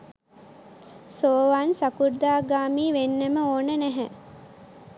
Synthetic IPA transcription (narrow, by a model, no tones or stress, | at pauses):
soːʋaːnsakuɾd̪aːɡaːmiːʋenːəməoːnənæɦæ